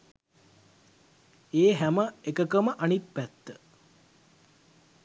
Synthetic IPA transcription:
eːɦæməekəkəməʔanit̪̚pæt̪ːə

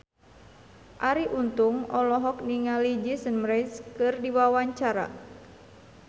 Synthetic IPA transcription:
ʔaɾiʔunt̪uŋɔlɔɦɔk̚niŋalid͡ʒisənmɾɛskɨrdiwawaɲt͡ʃaɾa̰

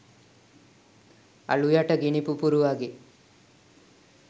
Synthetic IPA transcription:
ɐ̰ɭujaʈɐɡiɳipupuɾuʋaːɡi

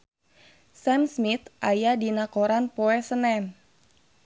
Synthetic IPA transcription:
sɛmsmit̪ʔajadinakoɾanpoɛsənɛm

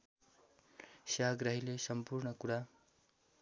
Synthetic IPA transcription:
saɦʌɡɾʌɦilesʌmpurnʌkuɽa

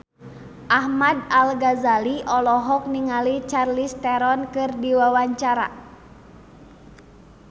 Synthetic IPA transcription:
ʔahmadalɡazaliʔɔlɔɦɔk̚niŋalit͡ʃarlist̪ɛɾɔnkɨrdiwawaɲt͡ʃaɾa̰

